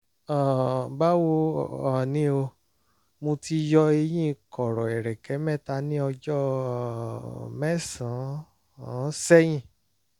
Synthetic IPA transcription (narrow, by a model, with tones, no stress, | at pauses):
ã˨ba˦wo˧˦˨a˨nĩ˦o˧ | mõ˧ti˧jɔ˧e˧j̃ĩ˦˧kɔ˨ɾɔ˨ɛ˨ɾɛ˨kɛ˨˦mɛ̃˦˨ta˧nĩ˦ɔ˧d͡ʒɔ˦ | mɛ˦˨sã˨˦˨ | sɛ˦j̃ĩ˦˨